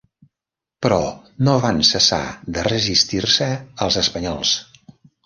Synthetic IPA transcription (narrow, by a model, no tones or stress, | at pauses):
pɾɔ | noβansəsa̰ðərəzist̪iɾsəəlˠzəspəɲɔlˠs